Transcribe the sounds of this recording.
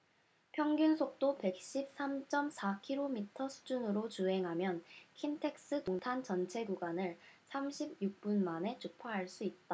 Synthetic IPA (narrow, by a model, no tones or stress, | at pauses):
pʰjʌŋɡunsʰok̚t͈ope̞k̚ɕ͈ip̚s͈amt͡ɕ͈ʌmsʰakʰiɾomitʰʌsʰu̥d͡ʑunɯɾot͡ɕuɦe̞ŋɦamjʌnkʰintʰe̞k̚s͈ɯtoŋtʰant͡ɕʌnt͡ɕʰe̞ɡuɡanɯɭsʰamɕʰib̚juk̚p͈unmane̞t͡ɕupʰaɦaɭs͈uit̚t͈a